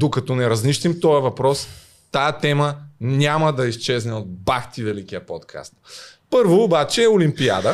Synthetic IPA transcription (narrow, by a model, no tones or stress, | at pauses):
d̪okɐt̪ɔnɛɾɐzniʃt̪imt̪ɔjɛvɐpɾɔs | t̪ajət̪ɛmənʲamɐd̪ɐist͡ʃɛznɛod̪̚baxt̪ivɛlikijɐpot̪kʰa̰st̪̚pɤɾvoːbat͡ʃɛːʊlimpia̰d̪ə